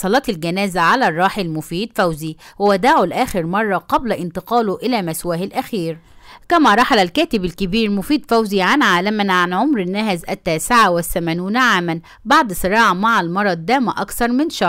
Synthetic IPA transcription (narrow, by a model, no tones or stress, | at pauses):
sˤɑlɑːt̪ɪlɡænæːzæʕalærˤːɑːħilmʊfiːd̪fæwzihʊwæd̪aʕʊlʔæːxɪɾmɑrˤːɑqɑblæʔɪnt̪ɪqɑːlʊʔɪlæːmæswæːhɪlʔæxiːɾ | kæmæɾˤɑħalælkæːt̪ɪbɪlkɪbiːɾmʊfiːd̪fæwziːʕanʕaːlæmænʕanʕomɾɪnːæhzʔæt̪ːæːsɪʕawɪθːæmæːnuːnʕaːmæn | baʕd̪sˤɨɾˤɑːʕɑmaʕalmɑɾˤɑd̪ːæːmʔɑ̰kθɑɾˤmɪnʃɑ